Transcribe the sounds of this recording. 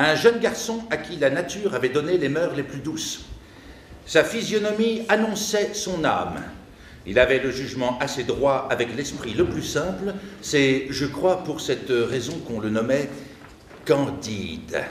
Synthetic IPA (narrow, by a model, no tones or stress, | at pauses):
ɛ̃ʒənɡaʁsɔ̃akʲilanat̪yːʁavɛd̪ɔnelemœʁleplyd̪us | safizjɔnɔmianɔ̃sɛsɔ̃na̰m | ḭlavɛləʒyʒmɑ̃ʔased̪ʁwaavɛklɛspχiləplysɛ̃plsɛʒəkχwapuʁsɛt̪ʁɛzɔ̃kɔ̃lənɔmɛ | kɑ̃d̪id̪